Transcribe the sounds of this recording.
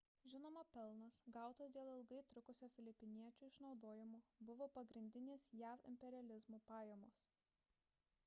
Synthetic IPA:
ʒʲɪnoːmɐpʲɛlˠnɐsɡɑˑʊt̪ɐsd̪ʲeːlˠɪlˠɡɐɪt̪ɾʊkʊsʲoːfʲɪlʲɪpʲɪnʲiɛt͡ʃʲuːɪʃnɒʊd̪oːjɪmuːbʊʋoːpɐɡɾʲɪnʲd̪ʲɪnʲeːsjæːfɪ̰mʲpʲɛɾʲɪɐlʲɪzmuːpɑːjɛmoːs

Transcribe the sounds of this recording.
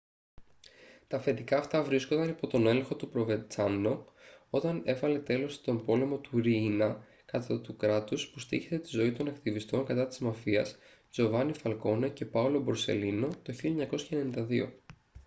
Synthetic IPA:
t̪ɐfe̞t̪ikɐːft̪ɐvɾiskond̪ɐnipo̞t̪o̞ne̞lexo̞t̪upɾo̞ve̞t͡sɐnːo̞o̞t̪ɐne̞vɐle̞t̪e̞lo̞st̪o̞mbo̞le̞mo̞t̪uɾinɐ | kɐt̪ɐt̪ukɾɐt̪uspust̪ḭçet̪et̪izo̞it̪o̞nɐkt̪ivist̪o̞ŋkɐt̪ɐt̪i̥zmɐfiɐs | d͡zo̞vɐnifɐlko̞nece̞pɐulo̞bo̞ɾse̞̰lino̞t̪o̞çilɐɲɐko̞sçɐene̞nind̪ɐðio̞̰

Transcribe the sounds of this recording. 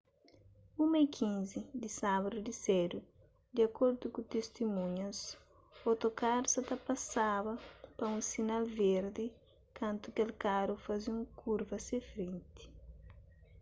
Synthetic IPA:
umɐikʰĩnzid̪isaβɐd̪ud̪iseɾu | d̪iɐkoɾd̪ukut̪est̪imũɲɐs | ot̪okaɾsɐt̪ɐpɐsaβɐpɐũnsinalveɾd̪i | kãnt̪ukelkaɾufaziũŋkʰuɾvɐsefɾẽnt̪i̥

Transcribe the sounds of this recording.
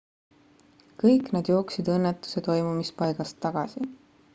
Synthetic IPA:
kɤjkˑnɑd̪̥jo̞ːksid̪̥ɤnːet̪ːˑu̥se̞t̪o̞jmumispɑjɡ̥ɑst̪ːɑɡ̥ɑ̰si

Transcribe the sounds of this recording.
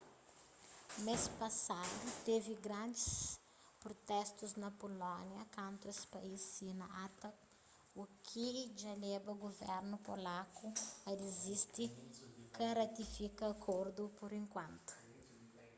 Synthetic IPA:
mespɐsad̪ut̪eviɡɾɐ̃nd͡ʒ̪is | pɾɔt̪ɛst̪uznɐpolɔnjɐkãnt̪uespaisinɐʔat̪ɐk | ukʰid͡ʒalebɐuɡovɛɾnupolakuɐdezist̪ikɐɾat̪ifikɐːkʰoɾd̪upuɾẽŋkwɐ̃nt̪u̥

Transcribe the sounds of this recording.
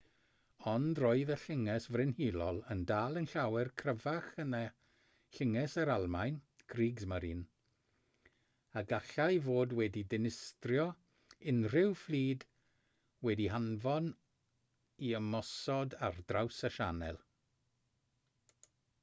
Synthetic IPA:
ɔndrɔɨðəɬɪŋɛsvrɪnhiːlˠɔlˠəndaːlˠənɬawɛrkʰrəvaχəna | ɬɪŋɛsəɾalˠmajn | kʰriːɡzməɾiːn | aɡaɬajvoːdwɛdidɪnɪstrjɔ | ɪnrɪwflˠiːd | wɛdiɦanvɔn | iəmɔsɔdardrawsaʃanɛ̰lˠ

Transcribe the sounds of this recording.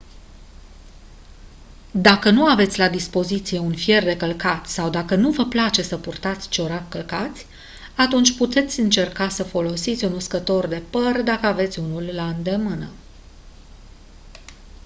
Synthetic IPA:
d̪akənuave̞t̪sʲlad̪ispo̞zit̪sije̞unfje̞rd̪e̞kəlkat̪sawd̪akənuvəplat͡ʃe̞səpurt̪at̪sʲt͡ʃeoɾakəlkat̪sʲ | at̪unt͡ʃʲput̪e̞t̪sʲɨnt͡ʃe̞rkasəfo̞lo̞sit̪sʲunuskət̪o̞rd̪e̞pərd̪akəave̞t̪sʲunulːaɨnd̪e̞mɨnə

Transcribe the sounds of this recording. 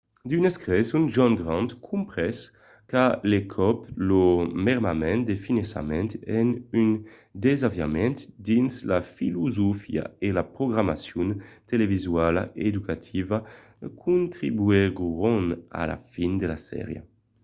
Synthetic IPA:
d̪yneskʁɛsunʒɔnɡʁɑ̃nt̪kʰumpʁɛs | kalekʰɔplomɛʁmamɛ̃nd̪efinesa̰mɛ̃nt̪ɛnyn | d̪ezavja̰mɛnt̪d̪inslafiluzofia̰elapɾoɡɾamasjunt̪elevizwala̰ʔed̪ukat̪ʰiva | kʰunt̪ʁibyeʁʁɔna̰la̰find̪elasɛ̰ʁjə̰

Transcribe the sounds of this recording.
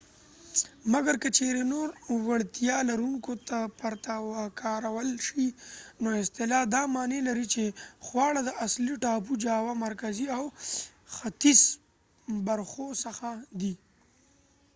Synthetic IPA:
maɡaɾkət͡ʃeɾenoɾwaɽt̪jɑlaɾuŋkot̪apaɾt̪awakɑɾawəlʃinoɪst̪ɪlɑd̪ɑmɑnelaɾit͡ʃexwɑɽad̪əʔasliʈɑpud͡ʒɑwamaɾkaziawxat̪is | baɾxosəxad̪i

